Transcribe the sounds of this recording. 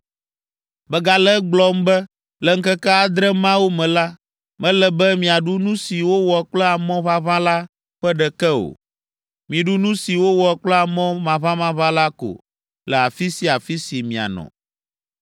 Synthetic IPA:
bɛ˦ɡa˨lɛ˦ɡ͡blɔ˦mbɛ˦ | lɛ˨ŋ̩˦kɛ˦kɛ˦a˨d̪ɾɛ˦mã˦wo˦mɛ̃˨la˦ | mɛ̃˦lɛ˨bɛ˦mĩ˨a˨ɖu˦nũ˦si˨wo˦wɔ˨˦k͡plɛ˦a˨mɔ̃˦βa˦βã˦la˦ | ɸɛ˦ɖɛ˨kɛ˦o̰˨ | mĩ˨ɖu˦nũ˦si˨wo˦wɔ˨k͡plɛ˦a˨mɔ̃˦mã˨βã˦mã˦βã˦la˦ko̰˨ | lɛ˨a˨fi˦si˦a˨fi˦si˨mĩ˨a̰˨nɔ̰̃˨

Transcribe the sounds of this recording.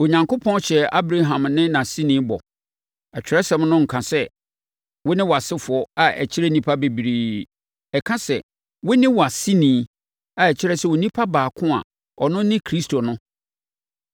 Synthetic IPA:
o˨ɲã˨ŋko˦pʰɔ̃˦nɕɛ˨a˦bɾa˦ɦã˨mnɪ̃˦nã˨si˦nĩ˦bɔ̰˨ | ɛ˨t͡ɕᶣɪ˨ɾɛ˦sɛ̃˨˦mnʊ̃˦ŋ̩˨kʰã˨sɛ˦ | wʊ˦nɪ̃˦wɔ˨a˨sɪ˦fʊ˨ɔ˦a˨ɛ̰˨t͡ɕʰɪ˦ɾɛ˦nĩ˦pʰa˦be˨bi˨ɾiː˨ | ɛ˨kʰã˦sɛ˨ | wʊ˦nɪ̃˦wɔ˨a˨si˦nĩː˨˦ | a˨ɛ˨t͡ɕʰɪ˦ɾɛ˦sɛ˨wo˨nĩ˦pʰa˦baː˨kʰʊ̃˦a̰˨ | ɔ˨nʊ̃˦nɪ̃˦kʰɾi˦stʰo˨nʊ̃˦

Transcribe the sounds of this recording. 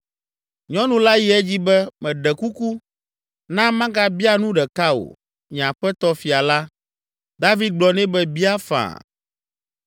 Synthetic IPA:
ɲɔ̃˦nũ˦la˦ji˦ɛ˦d͡ʑi˦bɛ˦mɛ̃˨ɖɛ˨ku˦ku˦ | nã˦mã˦ɡa˦bi˦a˦nũ˦ɖɛ˨ka˦o̰˨ | ɲ̃˨ã˨ɸɛ˦t̪ɔ˦fi˨a˨la˦ | d̪a˦vi˦d̪̚ɡ͡blɔ˨nɛ̃˦bɛ˦bi˦a˦fã̰˨

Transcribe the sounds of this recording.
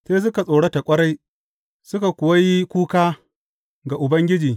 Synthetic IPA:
seː˦s̬ʊ˦ka˨sʼoː˨ɽe˦ta˨kʷʼɐ˦ɽa˦j | sʊ˦ka˨kʷʊ˨wa˦ji˦kʷuː˦kaː˦ | ɡa˨ʔʊ˨bɐ˦ŋɡʲɪ˦d͡ʒiː˨

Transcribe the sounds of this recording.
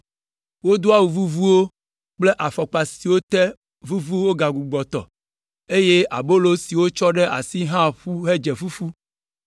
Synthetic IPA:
wo˦d̪o˦a˦wu˨vu˦vu˦wo˦ | k͡ple˦ʔa˨fɔ˨k͡pa˨si˨wo˦t̪ɛ˦ | vu˦vu˦wo˦ɡa˨ɡu˨ɡ͡bɔ˨t̪ɔ̰˨ | e˦je˦ʔa̰˨bo˦lo˦si˨wo˦t͡ʃɔ˦ɖe˦ʔa̰˨si˦ɦã˦ɸu˦ɦe˦d͡ʒɛ˨fu˦fu˦

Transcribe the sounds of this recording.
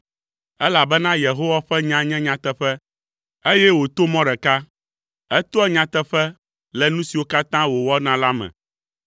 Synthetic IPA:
ɛ˦la˨bɛ˦nã˦je˨ɦo˦wa˦ɸɛ˦ɲã˦ɲɛ̃˦ɲã˨t̪ɛ˦ɸɛ˦ | e˦jɛ˦wo˨t̪o˦mɔ̃˦ɖɛ˨ka˦ | ɛ˦t̪o˦ɛ˦ɲã˨t̪ɛ˦ɸɛ˦ | lɛ˨nũ˦si˨wo˦ka˦t̪ã˦wo˨wɔ˦nã˦la˦mɛ̰̃˨

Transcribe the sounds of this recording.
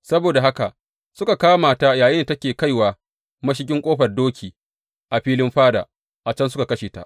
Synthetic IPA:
sɐ˦boː˨da˨ɦa˦ka˨ʔ | sʊ˦ka˨kaː˦maː˨ta˦jaː˨jɪ˦n˨tɐ˦kʲeː˨ka˦˨jwaː˨ | mɐ˦ʃ̬ɪ˦kʲɪ˦ŋkʷʼoː˦ɸɐ˨rdoː˦kʲʰiː˨ | ʔa˨ɸiː˦lɪ˦mɸaː˦da̰ː˨ | ʔa˨t͡ʃɐ˦nsʊ˦ka˨kɐ˦ʃeː˨ta̰˦ʔ

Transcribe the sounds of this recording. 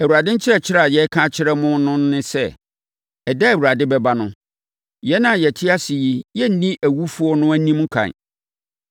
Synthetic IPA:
æ˨wu˨ɾa˨dɪ̃˦ɲ̩˦t͡ɕʰɪ˦ɾɛ˦˨t͡ɕʰɪ˦ɾa˨jɛ˦kʰã˦t͡ɕʰɪ˦ɾɛ˦mʊ̃˦nʊ̃˦n˦nɪ̃˦sɛ˦ | ɛ˨dɛ˦æ˨wu˨ɾa˨dɪ˦bɛ˦ba˦nʊ̃˦ | jɛ˦nã˨jɛ˨tʰɪ˦a˦si˨ji˦jɛ˦n̩˦nĩ˦ʔæ˨wu˦fu˦ɔ˦nʊ̃˦æ˦nĩ˦m˦kʰã̰˨n

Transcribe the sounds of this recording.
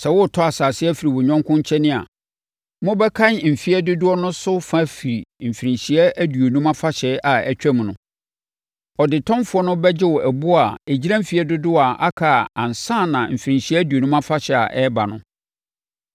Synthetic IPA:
sɛ˨wʊ˦tʰɔ˦a˨saː˨sɪ˦ɛ˦fi˨ɾi˨wɔ˨ɲᶣɔ̃˦ŋ˦kʰʊ̃˦ɲ˦t͡ɕʰɛ̃˦nɪ̃˦a̰˨ | mʊ̃˦bɛ˦kʰã˦nm̩˨fi˦ɛ˦dʊ˦dʊ˦ɔ˦nʊ̃˦sʊ˦fã˦˨fi˨ɾi˨m̩˨fi˨ɾĩ˨ɲɕi˨ɛ˦æ˦du˨o˨nũ˦mã˦fa˦ɕɛ˦ʔa˨ɛ˨t͡ɕᶣɛ˦mũ˨nʊ̃˨˦ | ɔ˨dɪ˨tʰɔ̃˦mfʊ˦ɔ˦nʊ̃˦bɛ˦d͡ʑɪ˦wɔ˨ʔæ˨bʊ˦a˨e˨d͡ʑi˦ɾã˦m̩˦fi˨ɛ˦dʊ˦dʊ˦a˨ʔa˦kʰa˨ã˨n˨sã˦˨nã˨m̩˨fi˨ɾĩ˨ɲɕi˦ɛ˦æ˦du˨o˨nũ˦mã˦fa˦ɕɛ˨a̰˨ʔɛ˦ba˨nʊ̰̃˦

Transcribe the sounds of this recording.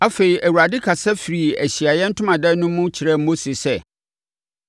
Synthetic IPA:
a˦fe˨ɾi˨ʔæ˨wu˨a˨dɪ˦kʰa˨sɛ˦fi˨ɾi˨æ˨ɕi˨a˨jɛ˦n̩˦tʰʊ̃˦mã˨dɛ˦nʊ̃˦mʊ̃˦t͡ɕʰɪ˨ɾɛ˦m̩˦mo˦si˨sɛ˦˨

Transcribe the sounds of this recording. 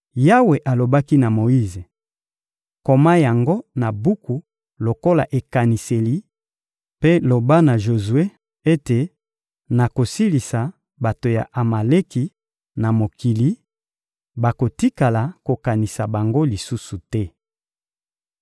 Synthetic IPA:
ja˦we˨ʔa˨lo˨ba˦ki˦na˨mo˨i˦ze˨ | ko˨ma˦ja˨ŋɡo˦na˨bu˦ku˨ | lo˨ko˦la̰˨ʔe˨ka˨ni˨se˨li˨ | pe˦lo˨ba˦na˨ʒo˨zu˨e˦ | e˦te˨ | na˨ko˨si˦li˨sa˨ | ba˨to˨ja̰˨ʔa˨ma˨le˦ki˨ | na˨mo˨ki˨li˦ | ba˨ko˨ti˦ka˨la˨ko˨ka˨ni˨sa˨ba˨ŋɡo˦li˨su˦su˨tɛ˦

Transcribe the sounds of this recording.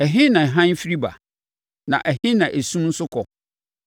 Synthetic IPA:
æ˨ɦɪ̃˦nã˨ɦã˦n˦fi˦ɾi˦ba̰˨ | nã̰˨ʔæ˨hɪ̃˦nã˨ʔe˨sũ˦n̩˦sʊ˦kʰɔ˨

